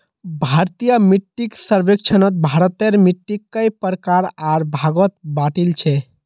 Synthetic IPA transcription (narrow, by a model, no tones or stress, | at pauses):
bʱaɾt̪ijəmiʈːiksəɾbek̚t͡ʃʰənət̪̚bʱaɾət̪eɾmiʈːikːəjpəɾkaɾaɾbʱaɡət̪̚baʈilt͡ʃʰɛ